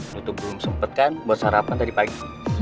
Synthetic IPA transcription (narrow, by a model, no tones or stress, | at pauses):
ut̪ʊk̚bəlʊmsəmpət̪̚kanbuat̪̚haɾapant̪adipaɡi